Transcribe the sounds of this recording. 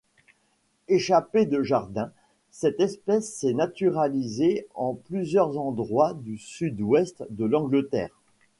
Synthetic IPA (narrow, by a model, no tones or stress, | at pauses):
eʃaped̪əʒaʁd̪ɛ̃ | sɛt̪ɛspɛsːɛnat̪yʁalizeɑ̃plyzjœʁzɑ̃d̪ʁwad̪ysyd̪wɛst̪d̪əlɑ̃ɡlət̪ɛ̰ːʁ